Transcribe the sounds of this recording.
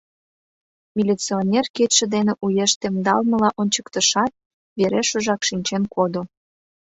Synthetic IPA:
mʲilʲit͡sionʲerket̪ʃĕd̪enĕʔujeʃt̪emd̪ɑlmə̆lɑʔonʲt͡ɕəkt̪ə̆ʃɑt̪̚ | βeɾeʃuʒɑkʃinʲt͡ɕenkod̪o

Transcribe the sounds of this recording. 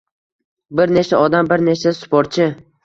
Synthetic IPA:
bɪɾne̞t͡ʃʰaɒd̪ambɪɾne̞t͡ʃasʊ̥poɾt̪̚t͡ʃʰɪ

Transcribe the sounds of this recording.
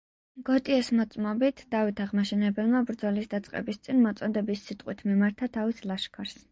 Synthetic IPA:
ɡɔt̪ʼiɛsmɔt̪sʼmɔbit̪ʰd̪̥avit̪ʰaʁmaʃɛnɛbɛlˠmabɾd̪zɔlisd̪at̪sʼqʼɛ̰bist̪sʼinmɔt̪sʼɔd̪ɛbisːit̪ʼqʼwit̪ʰmimaɾt̪ʰat̪ʰavisʰlˠaʃkʰaɾs

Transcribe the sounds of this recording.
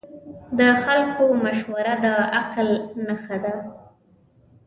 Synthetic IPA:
d̪əxalkʰomaʃwaɾad̪əaqlnaxad̪a

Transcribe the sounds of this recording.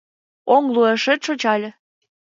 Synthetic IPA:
oŋlueʃet̪ʃŏt͡ɕɑlʲɤ̆

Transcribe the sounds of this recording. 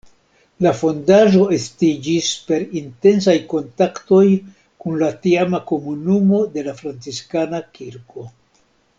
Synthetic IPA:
lafo̞ndaʒo̞e̞stid͡ʒispe̞ɾinte̞ns̬ajko̞ntakto̞j | kunlatiamako̞munumo̞de̞lafɾant͡siskanakiɾko̞

